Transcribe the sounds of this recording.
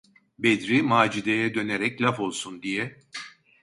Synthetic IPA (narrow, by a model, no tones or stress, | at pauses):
bed̪ɾimaːd͡ʒid̪ejɛd̪ø̞neɾɛclʲafo̞lˠsund̪ijɛ